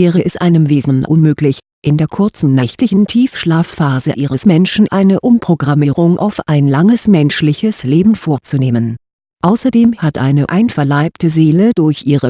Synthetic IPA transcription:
vɛːʁəʔɛstʔaɪnəmveːzn̩n̩ʔʊ̰nmøːklɪç | ʔɪndeːɐkʰʊɐt͡sn̩nɛçtlɪçn̩tʰiːfʃlaːfːaːzəʔiːʁəsmɛnʃn̩ʔaɪnəʔʊmpʁ̥oɡʁamiːʁʊŋʔa̰ʊfʔaɪnlaŋəsmɛnʃlɪçəsleːbm̩foːɐt͡suneːmən | ʔaʊsɐdeːmhatʔa̰ɪnəʔaɪnfɛɐlaɪp̚təzeːləd̥ʊɐçʔiːʁə

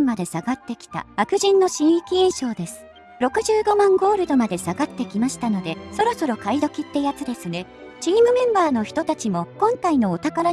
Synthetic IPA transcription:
mmːad̪e̞saɡat̪ːe̞kʲi̥t̪a̰akɯ̟ʑĩnːo̞ɕĩɰ̃ikʲiẽɰ̃ɕo̞ːd̪e̞sɨ̥ | ɾo̞kɯ̟ʑɨːɡo̞mãŋɡo̞ːɾɯ̟d̪o̞mad̪e̞saɡat̪ːe̞kʲimaɕi̥t̪ano̞d̪e̞so̞ɾo̞so̞ɾo̞kaid̪o̞kʲit̪ːe̞jat͡sɨd̪e̞sɨne̞ | t͡ɕiːmɯ̟mẽ̞mbaːno̞çi̥t̪o̞t̪at͡ɕimo̞kõ̞ŋkaino̞ːt̪akaɾa

